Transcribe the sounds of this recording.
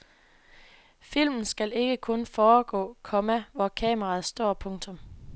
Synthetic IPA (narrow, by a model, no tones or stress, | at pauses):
fil̰mn̩sɡ̥æle̝ɡ̥əkʰɔ̽nfɒːɡ̥ɔ̰̽ːkʰɒ̽mæʋɒkʰɛ̰ːmɐʁɑð̩ˠsd̥ɒ̰ːpʰɔ̽ŋt͡sʰɔ̽m